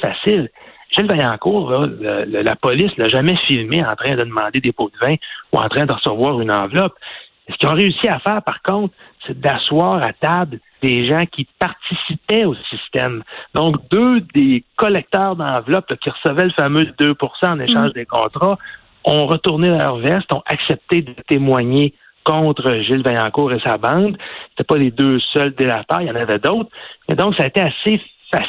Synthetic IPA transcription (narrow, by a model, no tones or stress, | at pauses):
fasɪlʒɛlvajɑ̃ːkuːʁlɔlələla̰pɔlɪslaʒamɛfilmeɑ̰̃t̪ʁɛ̃d̪əd̪əmɑ̃ːd̪ed̪epod̪vɛ̃uɑ̰̃ːt̪ʁɛ̃d̪əʁəsəvwɑːʁynɑ̃ːvlɔp | sə̥kʲjɔ̃ʁeysiafɛːʁpaʁkɔ̃t̪sed̪aswɑːʁat̪abl | d̪̥eʒãkʲipaʁt̪isipɛosist̪ɛmd̪ɔ̃kd̪ød̪ekɔlɛk̚t̪œːʁd̪ɑ̃ːvlɔpləkʲiʁəsəvɛləfamød̪øpuʁsãɑneʃɑ̃ːʒd̪ekɔ̰̃ːt̪ʁa | ɔ̃ʁət̪uʁnevɛlœ̰ʁvɛst̪ɔ̃ʔaksɛp̚t̪ed̪ət̪emwaɲe | kɔ̃ːt̪ʁəʒɪlvɛ̃jɑ̃ːkuːʁesabɑ̃ːd̪se̥t̪ɛpɔled̪øːsœld̪elat̪a̰ːʁjɑ̃ːnavɛd̪ɔʊt̪χmɛ̰d̪ɔ̃ksaːet̪easefa